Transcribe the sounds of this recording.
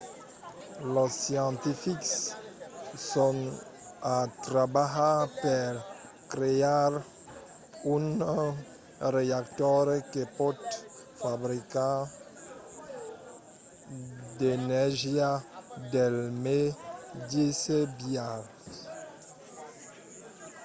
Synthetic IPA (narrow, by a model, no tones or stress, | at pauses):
lɔsjɑ̃nt̪ifiks | sɔ̃ŋ | at̪ɾabaɦapɛɾ | kɾeaɾ | un | reakt̪ɔɾkepɔtfabɾika | denɛʒjadɛlmedisebjal